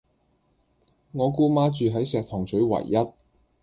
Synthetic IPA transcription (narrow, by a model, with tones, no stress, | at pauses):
ŋɔː˨˧kuː˥maː˥t͡ʃyː˨˧ɦɐ˨˥jsɛː˨k̚t̪ʰɔː˨˩ŋt͡sʰɵ˨˥ɥwɐ̰˨˩jːɐ˥t̚